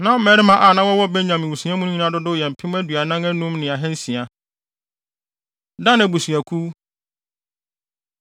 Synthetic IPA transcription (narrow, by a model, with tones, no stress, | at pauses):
nã˦mɛ˨˦ɾɪ˦mã˦ʔa˨nã˦wɔ˦wɔ˦be˦ɲã˨mɪ̃˨wu˨su˨˦ã˦mũ˦ñ˦ɲĩ˦nã˦dʊ˦dʊ˦jɛ˨m̩˨pʰɪ̃˦m˦æ˦dɥa˨nã˦ŋæ̃˦nũ˦mnɪ̃˨a˨ɦɛ̃˦n˦sĩ˨a˨ | dã˦nɛ̃˨bu˨su˨æ˨kʰu˦